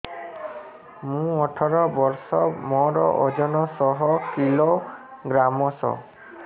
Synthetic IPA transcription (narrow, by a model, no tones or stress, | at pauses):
mũɔʈʰɔɾɔbɔɾsɔmɔɾɔʔod͡ʒɔnɔsɔɦɔkilo | ɡɾamɔsɔ̰